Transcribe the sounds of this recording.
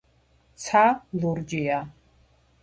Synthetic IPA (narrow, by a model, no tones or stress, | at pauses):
t̪t͡sʰaluɾd͡ʒia